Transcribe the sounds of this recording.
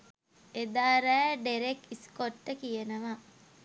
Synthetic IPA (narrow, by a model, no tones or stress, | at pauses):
ed̪aːɾæːɖeɾekiskoʈːəkijənəʋa